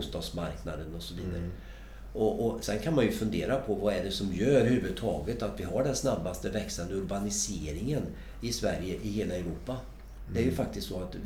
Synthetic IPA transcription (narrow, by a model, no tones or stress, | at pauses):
st̪ɑːd̪smaɾknad̪ənɔsɔviːd̪a̰ɾə | ɔʔɔsɛnkʰanmanjɵfɵnd̪eːɾapʰɔvɑɛɖɛsɔmjøːɾhʉ̟ːvɵd̪̚t̪ʰɑ̰ːɡət̪at̪vɪɦaɖɛnsnabːast̪əvɛksand̪əʊɾbanɪseːɾɪŋən | ɪsvæɾjəʔɪheːlaɛʊɾuːpa | d̪ɛæɾjɵfak̚t̪ɪst̪sɔat̪